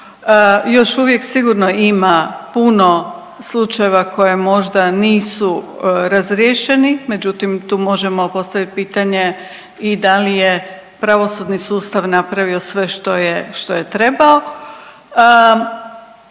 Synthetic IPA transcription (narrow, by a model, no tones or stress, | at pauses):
jo̞ʃuʋje̞ksiɡuɾno̞imapuno̞ | slˠut͡ʃaje̞ʋako̞je̞mo̞ʒd̪aniːsu | ɾazɾjeʃe̞nimed͡ʑut̪imt̪uːmo̞ʒe̞mo̞po̞st̪aʋit̪̚piːt̪aɲe̞ | id̪alije̞ | pɾaʋo̞sud̪nisuːst̪aʋnapɾaʋio̞sʋe̞ʃt̪ojeʃt̪o̞je̞t̪ɾe̞bao̞